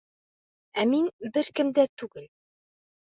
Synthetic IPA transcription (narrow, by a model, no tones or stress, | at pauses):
æminbɘɾkɘ̆md̪æt̪ʉɡɘl